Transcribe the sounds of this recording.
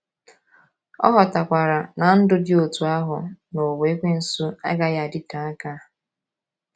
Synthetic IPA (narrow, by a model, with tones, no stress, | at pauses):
ɔ̰˦ɦɔ˨ta˨kʷa˨ɾa˨na˨n̩˦dʊ˦dɪ˦o˨tu˨a˦ɦʊ˨no˨we˨˦kʷe˦n̩˨su˦a̰˦ɡa˦ja˨a˨dɪ˦ta˨a˦ka˦˨